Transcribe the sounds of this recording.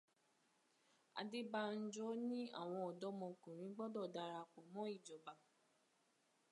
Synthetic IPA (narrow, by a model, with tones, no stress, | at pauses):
a̰˧de˦ba˦˧n̩˦d͡ʒɔ˦nĩ˦a̰˦˨w̃ɔ̃˧ɔ˨dɔ˨˦mɔ̃˧kũ˨ɾ̃ĩ˨˦ɡ͡bɔ˦dɔ˦˨da˧ɾa˧k͡pɔ˨mɔ̃˦i˦˨d͡ʒɔ˨ba˨